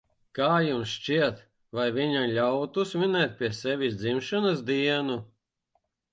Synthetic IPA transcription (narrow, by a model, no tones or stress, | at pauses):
kaːjumsʃt͡ʃiɛt̪ | vajvʲiɲamlʲawt̪usminɛːt̪̚ʲpʲiɛsɛvʲisd̪zimʃɔnasd̪iɛnu